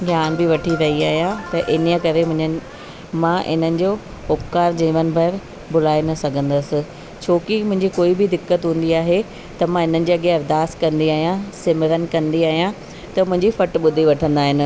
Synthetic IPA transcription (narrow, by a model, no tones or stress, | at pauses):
ɡʱjaːnbɪʋɐʈʰiɾɐɦiaːɦijãt̪ɐʔɪnijəkɐɾemʊ̃ɦɪ̃ɲə | mãʔɪ̰nənɪ̆d͡ʑoː | ʊpkaːɾd͡ʑĩːʋənɪ̆bʱɐɪɾ | bʊl̤aːenɐsɐɡʱə̃nd̪əsɪ̆ | t͡ɕʰoːkimʊ̃ɦɪ̃ɲd͡ʑikoːibɪd̪ɪkːət̪ɦũːn̆d̪iaːɦe | t̪ɐmãɦɪn̤ənɪ̆d͡ʑiːɐɠeɐɾd̪aːst̪kɐ̃nd̪iaːɦijãsɪmɪɾən̆kɐ̃nd̪iaːɦijã | t̪ɐmʊ̃ɦɪ̃ɲd͡ʑifɐʈɓʊd̪ʱiʋɐʈʰə̃nd̪aːɦɪnɪ̆